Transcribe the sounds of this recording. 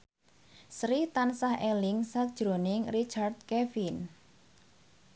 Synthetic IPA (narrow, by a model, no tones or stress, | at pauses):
sɾit̪ansahɛlɪŋsak̚d̥ʒ̥ɾonɪŋrit͡ʃard̪̚kɛfin